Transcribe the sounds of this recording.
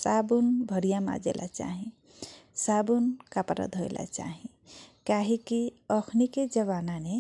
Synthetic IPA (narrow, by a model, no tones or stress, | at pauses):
sabunbʱəɾijama̰d͡ʒḛlʔa̰t͡ʃa̰ɦĩ | sabunkapɾə̰d̪ʱɦojlʔa̰t͡ʃa̰ɦĩ | kaɦikiəkʰniked͡ʒəβanane